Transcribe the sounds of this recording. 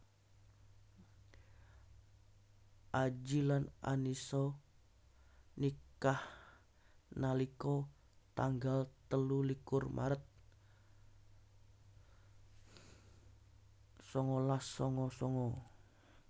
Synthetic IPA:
ʔad͡ʒilana̰nisɔ | nikah | nalikɔ | t̪aŋɡalt̪əlulikʊrmʔa̰ɾət̪̚ | sɔŋɔlahsɔŋɔsɔŋɔ

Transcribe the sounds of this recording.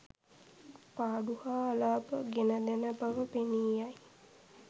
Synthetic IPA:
paːɖuhaːlaːbəɡenəd̪enəbaʋəpeniːjaj

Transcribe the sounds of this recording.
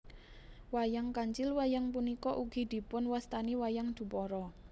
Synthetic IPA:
wajaŋkaɲt͡ʃɪlwajaŋpunikɔʔuɡ̥i̤d̪̥i̤pʊnwast̪aniwajaŋd̪̥ṳpɔɾɔ

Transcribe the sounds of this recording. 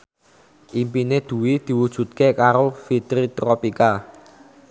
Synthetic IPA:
ʔimpined̪̥ṳwid̪̥i̤wud̥ʒ̥ṳt̪̚kekaɾofit̪ɾit̪ɾopika

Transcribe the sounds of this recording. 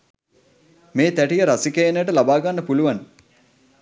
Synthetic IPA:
meːt̪æʈijəɾasikeːnəjəʈəlabaːɡanːəpuluʋan

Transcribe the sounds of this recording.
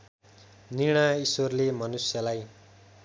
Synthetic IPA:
niɽ̃aisworlemʌnusjʌlaj

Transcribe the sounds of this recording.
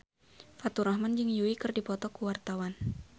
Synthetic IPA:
fat̪uɾahmand͡ʒɨŋjuikɨrdipɔt̪ɔkuwart̪awan

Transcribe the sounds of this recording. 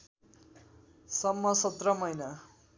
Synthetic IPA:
sʌmːʌsʌt̪rʌmʌjna

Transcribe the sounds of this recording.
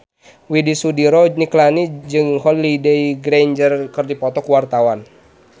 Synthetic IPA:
widisudiɾɔniklanid͡ʒɨŋhɔlːideiɡɾend͡ʒərkɨrdipɔt̪ɔkuwart̪awan

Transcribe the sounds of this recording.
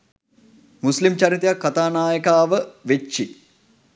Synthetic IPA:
muslimt͡ʃaɾit̪ejakːat̪aːnaːjəkaːʋəʋet͡ʃːi

